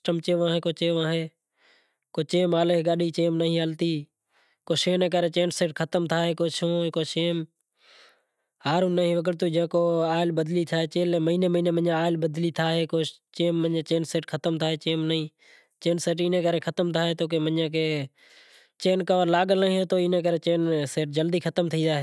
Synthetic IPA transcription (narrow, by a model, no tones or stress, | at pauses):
ʈəmt͡ʃeːʋaːɦeːkoːt͡ʃeːʋaːɦeː | koːt͡ʃeːmaːleɦɡaːɗiːt͡ʃeːmnəɦĩːɦəlt̪iː | koːseːnẽːkəɾeːt͡ʃeːnseːʈkʰət̪əmt̪ʰaːɦeːkoːsõːekoːseːm | haːɾũːnːəɦĩːʋəɡəɽt̪uːd͡ʒẽːkoːaːɪlbəd̪liːt̪ʰaːɦeːt͡ʃeːlːməiːneːməiːneːmənãːaːɪlbəd̪liːt̪ʰaːɦeːkoːt͡ʃeːmːənãːt͡ʃeːnseːʈkʰət̪əmt̪ʰaːɦeːt͡ʃeːmnəɦĩː | t͡ʃeːnseːʈiːnẽːkəɾeːkʰət̪əmt̪ʰaːɦeːt̪oːk̬eːmənjãːkeː | t͡ʃeːnkəʋəɾlaːɠəlnəɦĩːɦẽːt̪oːɪnẽːkəɾeːt͡ʃeːnseːʈ̚d͡ʒəld̪iːkʰət̪əmt̪ʰĩːd̪aːɦeː